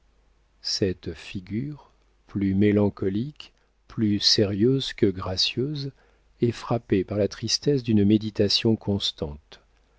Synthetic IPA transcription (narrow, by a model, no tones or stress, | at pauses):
sɛt̪fiɡʲyʁ | plymelɑ̃kɔlik | plyseʁjøzkəɡʁasjøz | ɛfχapepaʁlat̪χist̪ɛsd̪ynmed̪it̪asjɔ̃kʰɔ̃st̪ɑ̃t̪